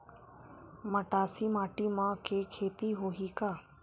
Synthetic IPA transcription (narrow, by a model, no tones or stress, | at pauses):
məʈaːsiːmaːʈiːmãkʰeːkʰeːt̪iɦoːɦiːkaː